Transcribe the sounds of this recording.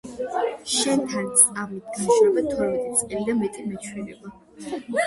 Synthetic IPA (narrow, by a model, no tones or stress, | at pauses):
ʃɛnt̪ʰant̪sʼqʼavnit̪̚ʰɡanʃɾɛbat̪ʰɔɾmɛt̪ʼit̪sʼqʼɛlid̪amɛt̪ʼimɛt͡ʃʰwɛɾɛba